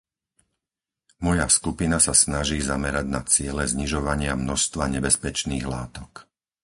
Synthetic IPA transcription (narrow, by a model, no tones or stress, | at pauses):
mɔjaskupinasasnaʒiːzamɛɾaɟnat͡sɪɛlɛzɲiʒɔʋaɲɪamnɔʃst̪ʋaɲɛbɛspɛt͡ʃniːɣlaːt̪ɔk